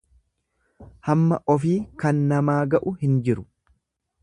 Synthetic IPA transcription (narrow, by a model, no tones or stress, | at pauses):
hɐmːɐ̰ʔɔfiːkɐnːɐmaːɡɐʔʊhɪnd͡ʒɪɾʊ̥